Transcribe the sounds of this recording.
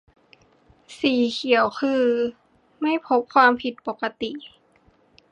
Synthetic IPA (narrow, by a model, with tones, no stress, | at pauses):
siː˨˩kʰi˨˩˦əwkʰɯː˧ | ma˥˨jpʰo˦˥p̚kʰwaː˧mpʰi˨˩t̪̚po˨˩ka˧t̪i˨˩ʔ